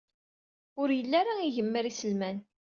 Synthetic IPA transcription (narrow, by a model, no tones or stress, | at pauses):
ʊɾjəlːæɾaiʝəmːəɾisəlmæn